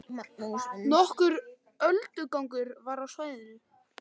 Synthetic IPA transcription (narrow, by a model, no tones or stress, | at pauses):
nɔhkʏɾ | œlt̪ʏkawŋkʏɾvaɾawsvaːjðɪnʏ